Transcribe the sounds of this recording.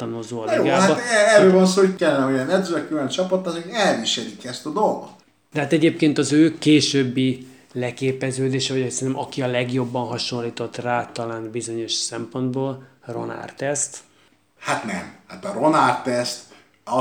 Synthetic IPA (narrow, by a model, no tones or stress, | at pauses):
t̪ɒnuzoːɒd̪joɡaabɛɛɾøːvonsokɛlːɛnɛojɛnɛd̪zøkylɛnt͡ʃɒpɒt̪ːɑzeɛlviʃɛlikɛst̪ɒd̪o̞lɡo̰t̪ | d̥̪ɛɦaːt̪ɛɟeːpkeːnt̪ɒzøːkeːʃøbːi | lɛkeːpɛzøːd̪eːʃɛvɒɟkisɛnɛmʔɒkiɒlɛɡjo̞bːɒnɦɒʃo̞nlːiːt̪o̞t̪ːraːt̪ɒlaːnbizo̞ɲo̞ʃsɛmpo̞nd̪boːlro̞̰na̰rt̪ɛst̪ | hat̪nɛmhat̪ɒɾonart̪ːɛst̪ | ɒ